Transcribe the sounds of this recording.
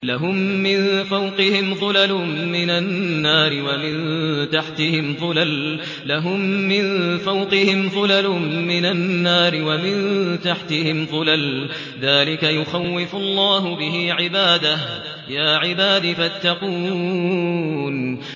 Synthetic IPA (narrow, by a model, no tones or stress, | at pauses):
laɦʊmːɪnfawqɪhɪmðˤʊlalmɪnanːaːɾɪwamɪnt̪aħt̪ɪhɪmðˤʊlal | laɦʊmːɪnfawqɪhɪmðˤʊlalmɪnanːaːɾɪwamɪnt̪aħt̪ɪhɪmðˤʊlal | ðaːlɪkajʊxawːɪfʊlˤːɑːɦʊbɪhiʕɪbaːd̪ah | jaːʕɪbaːd̪ifat̪ːɑquː | n